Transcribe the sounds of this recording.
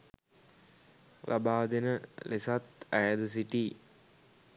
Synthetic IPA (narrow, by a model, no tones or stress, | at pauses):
lʔɐ̰baːd̪inəlesat̪æjɐd̪əs̬iʈi